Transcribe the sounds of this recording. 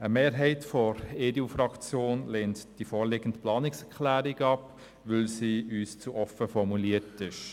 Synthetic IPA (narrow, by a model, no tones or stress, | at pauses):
əmeːɾɦɛɪtfɔɾeːdeufɾɑkt͡sjoːnlɛːntd̥ifɔːlɪɡ̥ən̩tplɑːnɪksɛkχlæːɾɪɡɑp | ʋɵlsiːyːst͡suʔɔfəfɔɾmuliətɪʃ